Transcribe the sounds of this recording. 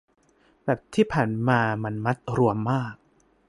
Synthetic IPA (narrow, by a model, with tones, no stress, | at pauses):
bɛː˨˩p̚t̪ʰiː˥˩pʰaː˨˩˦nmaː˧ma˧nma˦˥t̪̚ɾu˧əmːaː˥˩k̚